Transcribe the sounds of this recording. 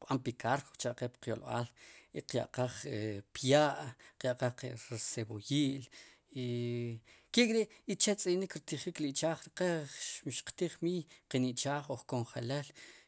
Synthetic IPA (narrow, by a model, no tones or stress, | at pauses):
qɓampikaɾko̥t͡ʃaʔqepqjolɓaːliqja̰ʔqaχepjaːʔqjaʔqaχqeɾesebojiːl | i | keʔkʼiɾiʔit͡ʃet͡sʼinikɾit̪iχikliʔt͡ʃaːχɾiqeʃmʃqt̪iχmiːjqeniʔt͡ʃaːχoχkoɴχelel